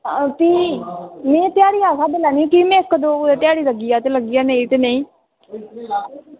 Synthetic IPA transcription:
t̪iːnẽːt̪ɪjaːɽiːaːsaːd̪ɪlaːnĩːkiːmɛ̃ːkːd̪oːet̪jaːɽiːləɡiːaːt̪eləɡiːaːneit̪eːneĩː

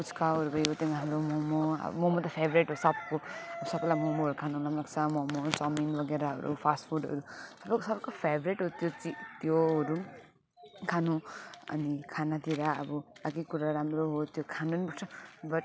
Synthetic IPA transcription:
put͡skaɦʌɾubʌjot̪jʌnɦamɾomomoʌ̰b̰momot̪ʌpʰebɾeʈɦosʌb̚koʌbʌsʌbʌlamomoɦʌɾukʰanulamlaɡt͡sʰʌmomot͡sʌminbʌɡeɾaɦʌ̰ɾṵpʰasʈfʰuɖʌ̰ɾusʌbksʌbkopʰebɾeʈɦoɾut̪jot͡sit̪joɦʌɾu | kʰanũʌ̰nikʰanat̪iɾaʌ̰bʌaɡikuɾaɾamɾoɦot̪jokʰanunibʌʈt͡sʰʌbʌʈ̚

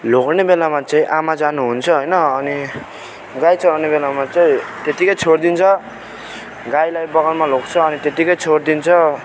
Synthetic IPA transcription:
loknebelamat͡sãĩʔamad͡zanuɦunt͡sʰʌɦojnʌʌni | ɡajt͡sʰʌɾnebelamat͡saĩt̪et̪ikʌjt͡sʰoɽd̪int͡sʰʌ | ɡajlajbʌɡʌlmalok̚t͡sʰʌːnit̪et̪ikʌjt͡sʰoɽd̪int͡sʰʌ

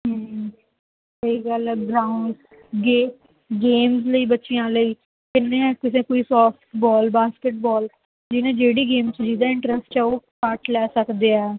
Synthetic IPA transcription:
ɦə | səiːɡəlɛɡɾaːʊɳɖ | ɡeː | ɡeːmzləiːbətːʃijãːləiː | kɪnːẽːɛːkɪs̬ẽkoːiːsɔːpʈʈbɔːlbaːskɪʈbɔːl | d͡ʒɪnẽːd͡ʒeːɽiːɡeːmt͡ʃd͡ʒiːd̪ãːɪ̃ɳʈɾəsʈt͡ʃaoːkəʈlɛːsəkd̪eːɛː

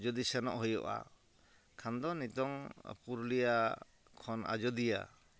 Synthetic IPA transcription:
d͡ʒɔd̪isɛnɔ̰ʔɦɔjɔ̰ʔa̰ | kʰand̪ɔnit̪ɔŋ̰puɾlija | kʰɔna̰d͡ʒɔd̪ija̰

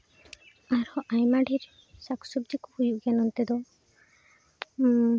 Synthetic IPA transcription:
aɾɔʔajmaɖiɾ | saksub̚d̪ikuhujuʔɡɛnɔnt̪ed̪ɔ

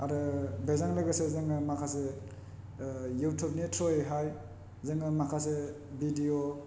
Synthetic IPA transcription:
aɾɯbezaŋlaɡasezɯŋɯmakʰase | juwtʰup̚nitʰɾɔeɦaj | zɯŋɯmakʰase | bidio

